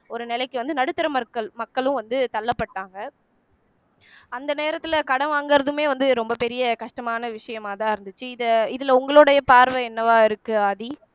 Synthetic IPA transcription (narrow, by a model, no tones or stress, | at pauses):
ɔɾɯnɪlɐɪkːɯʋɐnd̪ɯnɐɽɯt̪ːɐɾɐmɐkːɐɭmɐkːɐɭʊ̃ʋɐnd̪ɯt̪ɐlːɐpːɐʈːaːŋɡɐ | ɐnd̪ɐneːɾɐt̪ːɪlɐkɐɽɐʋaːŋɡɐɾɐðɯmeːʋɐnd̪ɯɾɔmbɐpɛɾɪjɐkɐʂʈɐmaːnɐʋɪʂɐjɐmaːt̪ãːɪɾɯnd̪ɯt͡ʃːɯɪðɐɪðɪlʊŋɡɐɭoːɽɐjɐpaːɾʋɐɛnːɐʋaːɪɾɯkːɯɐði